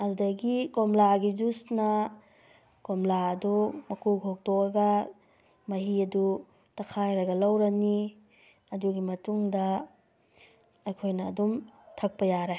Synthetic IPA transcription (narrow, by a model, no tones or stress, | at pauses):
ɐɾudɐɡikomlaɡid͡ʒusnɐ | komlaɐdumɐkuɡok̚tɔkɐɡɐ | mɐɦiɐdu | tɐkʰajɾɐɡɐlawɾɐni | ɐduɡimɐtuŋdɐ | ɐjkʰojnɐːdumtʰɐk̚pɐjaɾa